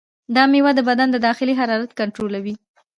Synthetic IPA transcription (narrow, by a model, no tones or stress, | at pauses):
d̪ɑmewad̪əbad̪and̪əd̪ɑxɪliɦaɾɑɾat̪kaɳʈɾolawi